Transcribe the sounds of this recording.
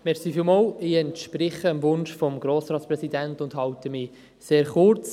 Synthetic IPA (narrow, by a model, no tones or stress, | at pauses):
mɛɾsiːfiːlmɑlɪɛntʃpɾɪχəəmvʊnʃfɔmɡɾoːsɾɑːtsprɛsidæntʊndhɑwtəmɪ | seːɾχʊɾt͡s